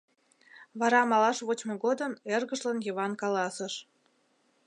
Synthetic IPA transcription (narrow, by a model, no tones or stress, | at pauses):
βɑɾɑmɑlɑʃβot͡ɕmoɣod̪əmerɣəʒlənjəβɑnkɑlɑsəʃ